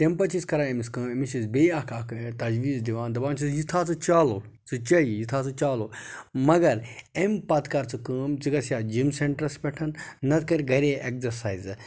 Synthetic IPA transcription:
t̪empɐt͡ʃʰiskɐɾaːemiskɨːmemit͡ʃʰisbeɐkʰɐkt̪ɐd͡ʒʋiːzd̪iʋaːnd̪ɐbaːnt͡ʃʰisjit̪ʰaːt͡sɨt͡ʃaːloː | t͡sɨt͡ʃɐijit̪ʰaːt͡sɨt͡ʃaːloːmɐɡɐɾempɐt̪kɐɾt͡sɨkəːmt͡sɨɡɐsijaːd͡ʒimseɳʈɾɐspʲɛʈʰɐnːɐt̪ʰkɐɾʲiɡɐɾeʔek̚zɐɾsaːiz

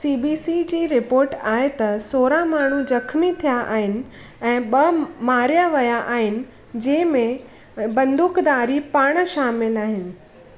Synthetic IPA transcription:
siːbiːsid͡ʑiːɾɪpoːɾʈaːɦet̪ɐsoːɾamaːɳ̤ud͡ʑɐkʰmit̪ʰijaʔa̰ːɦɪnɪ̆ | ɛ̃ːɓɐmaːɾijaʋɐjaʔaːɦɪnɪ̆ | d͡ʑɛ̃ːɪ̃mẽ | bɐ̃nd̪ʱʊkd̪aːɾipaːɽ̃ʃaːmɪlaːɦɪnɪ̆

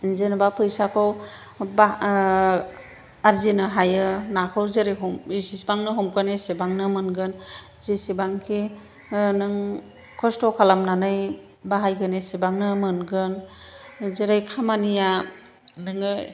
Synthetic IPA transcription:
zenbapʰɯjsakʰɔw | ba | aɾzinɯɦajɯnakʰɯwzeɾɯjɦɔmisisbaŋnɯɦɔmkʰɯnesebaŋnɯmɯnɡɯn | zisibaŋkʰi | nɯŋ | kʰɔstɔkʰalamnanɯj | baɦajɡɯnesebaŋnɯmɯnɡɯn | zeɾɯjkʰamanija | nɯŋɯ

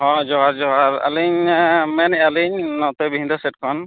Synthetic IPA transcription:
hɔ̃d͡ʒɔaɾd͡ʒɔɡaɾa̰liɲmɛnɛaliɲnɔt̪ɛbiɦind̪asɛt̚kʰɔn

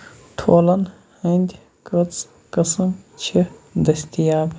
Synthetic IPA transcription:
ʈʰoːlɐn | hɐnʲd̪ʲ | kɐt͡s | kɐsɐmt͡ʃʰid̪ɐst̪ijaːb

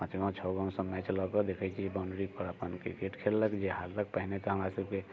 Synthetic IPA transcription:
ət͡ʃʰɡãt͡ʃʰɔɡãw̃sə̃mɛt͡ʃləɡɔd̪ekʰɛt͡ʃʰiebaɳɖɾikɔɾəpənkɾikeʈkʰelːəkd͡ʒeɦaɾlək̚pəɦnet̪ɔɦəmɾasəb̚ke

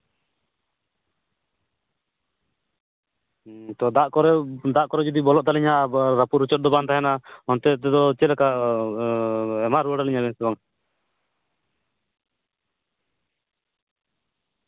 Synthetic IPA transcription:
t̪ɔd̪aʔkɔɾɛd̪aʔkɔɾɛd͡ʒɔd̪ibɔlɔʔt̪alɛɲaɾapuɾut͡ʃɔt̪̚d̪ɔbant̪aɦɛnahɔnt̪ɛt̪ɛd̪ɔt͡ʃɛlɛka | ɛmaɾuaɽaliɲabɛnsɛbaŋ

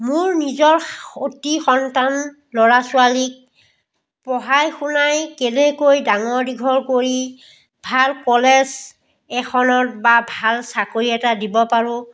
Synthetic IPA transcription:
mʊɹnizɔɹotixɔntan | lɔɹasualik̚ | pɔɦajxunajkɛnɛkojdaŋɔɹdiɡʱɔɹkoɹi | bʱalkɔlɛz | ɛxʰɔnɔtbabʱalsakoɹiɛtadibɔpaɹʊ̃

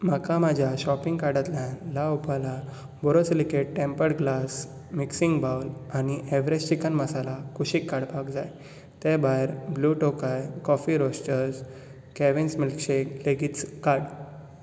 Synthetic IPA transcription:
makamad͡ʑʱjaɕɔpĩŋɡkaɾɽat̪lanlaupala | bɔɾot͡slikeʈʈẽmpəɽɡlas | miksiŋɡbawlañiʔeʋɾed͡ʑt͡ɕikənməsalakuɕikːaɽbaɡd͡zaj | t̪ebajɾbluːʈokajkɔfiɾosʈəɾs | kɛʋinsmilkɕeleɡit͡skaɽ

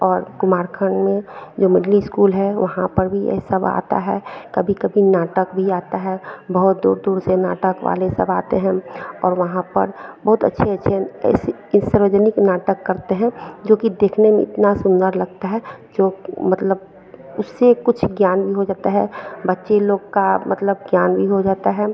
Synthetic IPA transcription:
ɔːɾkʊmaːɾkʰəɳmẽd͡ʒoːmɪɖliskuːlɦɛʋɐɦãpəɾbʱiɛ̰ːsəba̰ːt̪a̰ɦɛkɐbʱikɐbʱinaːʈəkbʱiaːt̪aɦɛbəɦʊt̪̚d̪ṵːɾd̪uːɾsena̰ːʈəkʋa̰lesəba̰ːt̪eɦɛ̃ɔ̰ːɾʋɐɦãpə̰ɾbɐɦʊt̪ə̰tːʃʰeɐtːʃʰeɛ̰ːse | səɾʋəd͡ʒənɪknaːʈəkːɐɾt̪eɦɛ̃d͡ʒoːkid̪eːkʰnemḛ̃ɪ̰t̪nasʊ̃nd̪əɾlɐɡ̚t̪aɦɛd͡ʒoːmɐt̪ləb | ʊsːekʊt͡ʃʰɡjaːnbʱiɦod͡ʒaːt̪aɦɛ̰bətːʃeloːɡkamət̪ləbɡjaːnbʱiɦod͡ʒaːt̪aɦɛː

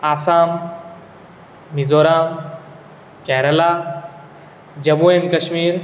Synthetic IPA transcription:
aːsaːm | izoːɾaːm | kɛɦɾəlaː | d͡ʑɐbuːeːnkɐʃmiːɾ

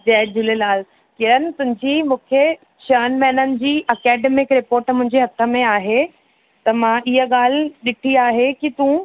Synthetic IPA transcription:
d͡ʑɛːd͡ʑɪlelaːl | kɪɾənɪ̆t̪ʊ̃ɦɪ̃ɲd͡ʑiːmũːkʰe | t͡ɕəːnmɛːnənɪ̆d͡ʑiːɐkɛːɖemɪkɾɪpoːɾʈmʊ̃ɦɪ̃ɲd͡ʑeɦɐt̪ʰəmẽaːɦe | t̪ɐmãʔɪɦəɠaːl̤ɗɪʈʰiaːɦekit̪ũ

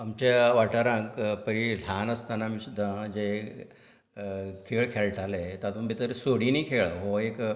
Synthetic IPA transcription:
amt͡ɕeʋaʈaɾãkpəɾil̤anəst̪anamiːsud̪ʱːãd͡ʑe | kʰeɭkʰelʈʰalẽt̪at̪ũnbʱit̪əɾsoɽiniːkʰeɭɦoek

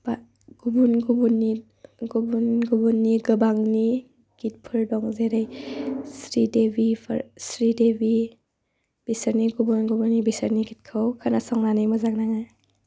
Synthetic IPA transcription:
ba | ɡ̥ubunɡubunːi | ɡubunɡubunːiɡɯbaŋni | ɡ̥it̚pʰɯɾdɔŋzeɾajsɾidebipʰɾsɾidebi | b̥isəɾniɡubunɡubunːibisəɾniɡit̚kʰɯwkʰanasaŋnanijmazaknaŋa

